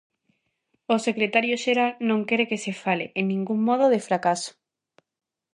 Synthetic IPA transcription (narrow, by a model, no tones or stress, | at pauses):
osekɾet̪aɾjoʃeɾalnõŋkɛɾekesefaleʔeŋnĩŋɡuŋmɔð̞oðefɾakaso̥